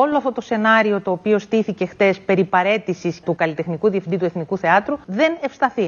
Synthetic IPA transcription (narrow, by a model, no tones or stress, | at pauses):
o̞loɐft̪o̞t̪o̞se̞nɐɾio̞t̪o̞ːpio̞st̪iθice̞xθe̞spe̞ɾipɐɾe̞t̪isist̪ukɐlit̪exnikuðiefind̪it̪ue̞θnikuθe̞ɐt̪ɾuðe̞ne̞fst̪ɐθi